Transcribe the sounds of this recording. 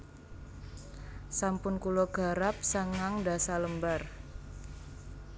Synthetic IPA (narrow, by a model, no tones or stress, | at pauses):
sampʊnkulɔɡ̥a̤ɾap̚saŋaŋda̤saləmbar